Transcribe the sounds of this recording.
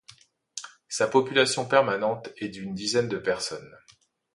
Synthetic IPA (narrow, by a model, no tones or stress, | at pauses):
sapɔpylasjɔ̃pɛʁmanɑ̃t̪ɛd̪ynd̪izɛnd̪əpɛʁsɔn